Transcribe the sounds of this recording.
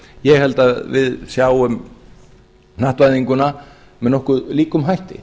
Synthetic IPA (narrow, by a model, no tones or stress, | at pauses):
jɛɣhɛlt̪avɪ̰ðsjawʏm | naht̪vajðiŋkʏna | mɛðnɔhkʏðliːkʏmɦajht̪ɪ̰